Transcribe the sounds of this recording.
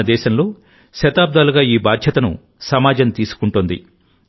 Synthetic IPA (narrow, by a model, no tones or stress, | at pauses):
ɐd̪ɛːʃɐnlo̞ː | ʃɐt̪aːb̚d̪aːluɡaːiːbaːd̪ʱjɐt̪ɐnṵ | sɐmaːd͡ʒɐnt̪iːsu̥kuɳʈund̪ḭ